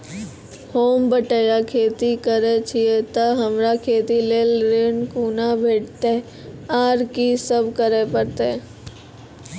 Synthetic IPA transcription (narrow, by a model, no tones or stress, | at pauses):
hoːmbəʈəjakʰeːt̪ikəɾet͡ʃʰiet̪əɦəmɾakʰeːt̪ileːlɾeːɳkuːnabʱeːʈt̪e | aːɾkisəbkəɾepəɾt̪e